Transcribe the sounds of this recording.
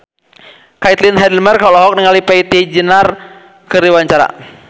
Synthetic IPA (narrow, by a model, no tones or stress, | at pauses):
kait̪linɦɛdəlmɛrkɔlɔɦɔk̚niŋalipait̪id͡ʒinar | kəriwaɲt͡ʃaɾa̰